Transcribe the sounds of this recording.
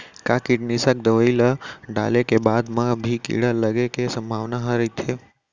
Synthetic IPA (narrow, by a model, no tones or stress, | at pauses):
kakɪʈnisək̚d̪əʋəiləɖa̰lekebad̪mãbʱikḭɽələɡekesə̃mbʱaʋnaɦəɾəit̪ʰe